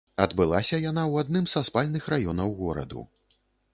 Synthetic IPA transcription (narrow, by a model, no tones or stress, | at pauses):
ɐd̪bɨlˠasʲɐjanawad̪nɨmzaspalʲnɨxrajɔnɐwɣɔɾɐ̰d̪ṵ